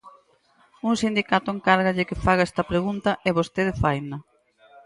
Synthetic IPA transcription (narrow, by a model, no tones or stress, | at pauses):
uŋsind̪ikat̪ʊeŋkaɾɣɐʎɪkɪfaɣaɛst̪ɐpɾeɣunt̪ɐʔɛβost̪eðefajnɐ